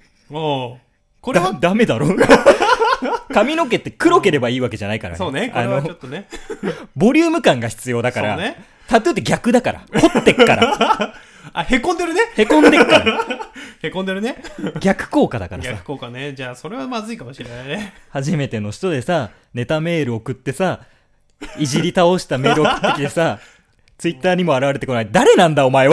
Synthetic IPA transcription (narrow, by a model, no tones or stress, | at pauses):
oː | koɾad̪ame̞d̪aɾo | kamʲino̞k̬e̞t̪ːe̞kɯ̟ɾo̞ke̞ɾe̞baiːβake̞ʑanaikaɾa̰soːneanoot̪ːone | bo̞ɾʲɨːmɯ̟kãŋɡaçi̥t͡sɨjo̞ːd̪akaɾɾane | t̪at̪et̪ːeɡʲakɯ̟d̪akaɾa̰kot̪ːe̞kːaɾa | ahe̞kõnd̪eɾɯ̟nehe̞kõ̞nd̪ekkaɾa | hekõnd̪eɾɯ̟neɡʲakɯ̟̥ko̞ːkad̪aka̰ɾaasaɯ̥kokaned͡ʑaːso̞ɾe̞βamazɨikamoɕiɾenainehaʑime̞t̪e̞no̞ɕi̥t̪o̞d̪e̞sa | ne̞t̪ame̞ːɾɯ̟o̞kɯ̟t̪ːe̞sa | iʑiɾʲit̪ao̞ɕi̥t̪ame̞ːɾɯokɯ̥t̪ekʲid̪esa | t͡sɨit̪ːaːɲ̟imo̞aɾaβaɾet̪eko̞naid̪aɾe̞nãnd̪ao̞mae